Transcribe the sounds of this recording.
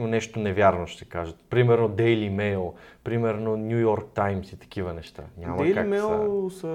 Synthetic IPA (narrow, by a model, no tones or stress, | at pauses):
monɛʃt̪onɛvʲjaɾnoʃt̪ɛkaʒət̪pɾimɛɾnod̪ɛjlimɛjlˠpɾimɛɾnonʲujɔɾk̚t̪ajmsit̪ɐ̥k̟ivənɛʃt̪a̰ɲʲaamɐkamɛsɐ